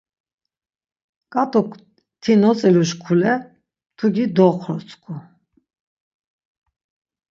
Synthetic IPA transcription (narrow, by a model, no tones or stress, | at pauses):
kʼat̪ʼɔk | t̪ʰinɔt͡sʼɛluʃkʰulɛ | t̪ʰuɡid̪ɔqʰɾɔɾt͡sʰʼkʰu